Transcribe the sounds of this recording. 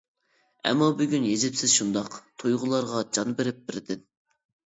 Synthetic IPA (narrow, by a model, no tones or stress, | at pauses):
ɛ̰mːɑbyɡʲynjezɪpsɪzʃund̪ɑqt̪ʰujʁʊlˠɑɾʁɑd͡ʒɑnbɪɾɪp̚bɪɾɪd̪ɪn